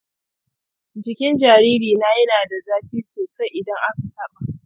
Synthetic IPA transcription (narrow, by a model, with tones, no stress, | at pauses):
d͡ʒɪ˨kʲɪ˦nd͡ʒaː˨ɾiː˦ɾiː˨naː˦jɐ˦naː˨da˨zaː˦ɸiː˦soː˨sa˦jʔɪ˨dɐ˦ŋʔa˦ka˨tɐ˦ɓa˨ʔ